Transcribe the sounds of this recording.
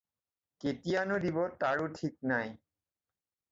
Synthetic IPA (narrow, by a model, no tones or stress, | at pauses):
ketijanʊdibɔtaɹʊtʰik̚naj